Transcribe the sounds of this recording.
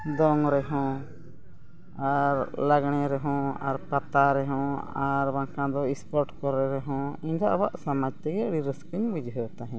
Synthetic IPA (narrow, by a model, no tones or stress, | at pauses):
d̪ɔŋɾɛɦɔ̃ | aɾlaɡɳ̃ɛɾɛɦɔ̃aɾpat̪aɾɛɦɔ̃aɾbaŋkãd̪ɔispɔɾʈkɔɾɛɾɛɦɔ̃iɲɡaʔbaʔsamad͡ʒt̪ɛɡɛɽiɾəskəɲbud͡ʒɦət̪aɦɛ̃